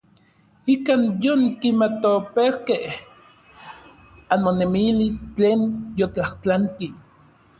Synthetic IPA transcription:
ikaːnjoŋkimat̪opewkeh | anmonemilist͡ɬeːnjot͡ɬaht͡ɬant̪i

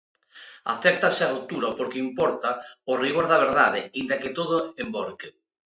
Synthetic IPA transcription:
a̰θɛɾ̚t̪asɪarut̪uɾapoɾkeimpɔɾt̪aoriɣoɾðaβ̞eɾðað̞eind̪aket̪oð̞ʊemboɾke

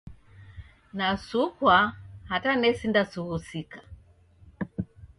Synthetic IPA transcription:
nasukwahatanɛsindasuhusikḁ

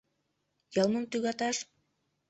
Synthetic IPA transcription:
jɑlˠməmt̪yɣɑt̪ɑʃ

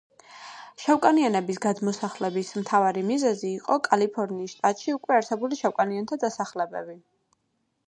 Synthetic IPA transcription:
ʃawkʼanianɛbisɡad̪mɔsaχlɛbismt̪ʰavaɾimizɛziːqʼɔkʼalipʰɔɾniːsʃt̪ʼat̪ʼʃiukʼwɛaɾsɛbuliʃawkʼaniant̪ʰad̪asaχlɛbɛbi

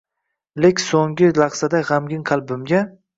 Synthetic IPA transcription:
lekʲsoŋɡɪlˠɑχsad̪aʁamɡʲɪŋqʰalˠbɪmɡʲa

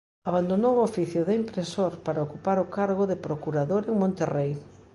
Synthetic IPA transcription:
aβand̪onowofiθjʊðɪimpɾesoɾpaɾaokupaɾokaɾɣoðepɾokuɾaðoɾeŋmõnt̪erej

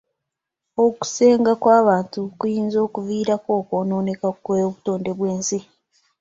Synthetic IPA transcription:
o̞ku̥se̞ːŋɡakwaːβaːntukujiːnzo̞ːkuviːɾako̞ːko̞ːno̞ːne̞kakeβuto̞ːnde̞βweːnsi

